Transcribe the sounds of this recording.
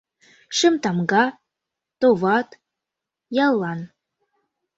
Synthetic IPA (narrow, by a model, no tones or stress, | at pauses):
ʃəmt̪ɑmɡɑ | t̪oβɑt̪ | jɑlˠːɑn